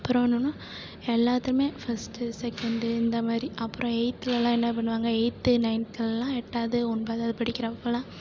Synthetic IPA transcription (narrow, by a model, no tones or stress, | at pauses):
ɐpːɯɾõɐnːɐnõ | ɛlːaːt̪ːɯɾɯmeːfɐsʈɯsɛkːɐɳɖɯɪnd̪ɐmaːdɾiʔɐpːɯɾõɛɪt̪ːɪlɐlãːɛnːɐp̬ɐɳːɯʋaːŋɡɐɛɪt̪ːɯnɐɪnk̪ɐlɛlːãːɛʈːaːðɯɔnbɐðaːðɯpɐɽɪkʲːɪɾɐpːɐːlãː